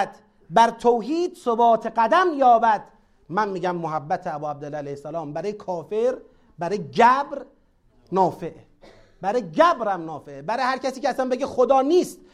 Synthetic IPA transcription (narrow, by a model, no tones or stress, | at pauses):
d̪̥ | bæɾt̪ʰoːɦiːd̪sobɒːt̪ʰeɡæd̪æmjɒːbæd̪̥ | mænmiːɟæmːoɦæbːæt̪ʰeæbɔːæb̚d̪elːæːælæjhesːælɒːmbæɾɔːjekʰɒːfeɾ | bæɾɔːjed͡ʒæbɾ | nɒːfeʔ | b̥æɾɔːjeɡæbɾæmnɒːfeʔebæɾɔjhæɾcæsiːcʰeæsænbeɡexod̪ɒːniːst̪̚